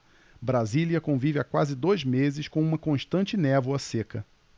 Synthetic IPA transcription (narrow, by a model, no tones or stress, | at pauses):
bɾaziliɐkõvivɪakwazɪd̪ojzmezɪʃkõũmɐkõʃt̪ɐ̃nt͡ʃɪnɛvwɐsekɐ